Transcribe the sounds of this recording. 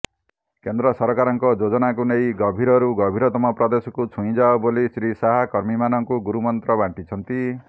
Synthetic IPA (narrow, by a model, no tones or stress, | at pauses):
kend̪ɾɔsɔɾkaɾɔŋkɔd͡ʒod͡ʒɔnak̬unejɡɔbʱiɾɔɾuɡɔbʱiɾɔt̪ɔmɔpɾɔd̪esɔkut͡ʃʰũĩd͡ʒaobolisɾisaɦakɔɾmimanɔŋkuɡuɾumɔnt̪ɾɔbaɳʈit͡ʃʰʌnt̪i